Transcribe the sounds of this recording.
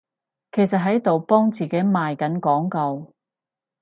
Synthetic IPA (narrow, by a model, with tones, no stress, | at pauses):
kʰe˨˩jsɐ˨t̚ɦɐ˨˥jt̪o˨wpɔː˥ŋt͡siː˨ke˨˥jmaː˨jkɐ˨˥nkɔː˨˥ŋkɐ˧w